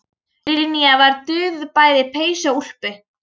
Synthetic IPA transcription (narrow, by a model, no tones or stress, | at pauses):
ɾiɾiniavaɾt̪ʏːðpaːjðɪpʰeːjsaul̥pɪ